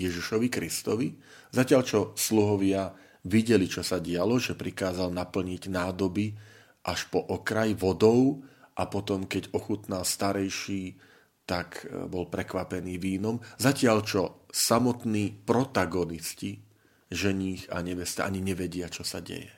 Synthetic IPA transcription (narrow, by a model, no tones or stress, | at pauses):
jɛʒiʃɔʋikɾist̪ɔʋi | zacɪaʎt͡ʃɔsluɦɔʋɪa | ʋiɟɛlit͡ʃɔsaɟɪalɔʒɛpɾikaːzalnapl̩ɲiɟnaːd̪ɔbi | ʔaʃpɔʔɔkɾajʋɔd̪ɔʊʔapɔt̪ɔmkɛɟɔxut̪nalst̪aɾɛjʃiː | t̪akbɔlpɾɛkʋapɛniːʋiːnɔmzacɪaʎt͡ʃɔsamɔt̪niːpɾɔt̪aɡɔnisci | ʒɛɲiːxa̰ɲɛʋɛst̪a̰ːʔaɲiɲɛʋɛɟɪat͡ʃɔsa̰ɟɛ̰jɛ̰